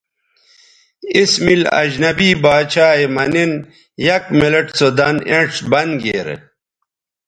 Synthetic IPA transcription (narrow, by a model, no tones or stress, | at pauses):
ismilɐ̰d͡ʑnɐbiːbaːt͡ɕʰaːemɐnen | jɐkmelɐʈt͡sod̪ɐneʈsbɐnɡḛːɾ̰